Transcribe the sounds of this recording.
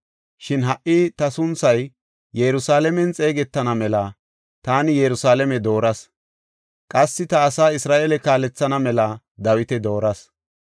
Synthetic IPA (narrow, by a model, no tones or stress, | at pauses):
ʃɪnɦɐʔːɪt̪ɐsʊnsɐj | jɛɾʊsaːlɛmɛnt͡sʼe̞ːɡɛt̪ːɐnɐmɛlɐ | t̪aːnɪjɛɾʊsaːlɛmɛd̪o̞ːɾɐs | kʼɐsːɪt̪ɐːsaːɪsɾaːʔɛlɛkaːlɛt͡sːɐnɐmɛlɐ | d̪ɐwɪt̪ɛd̪o̞ːɾɐs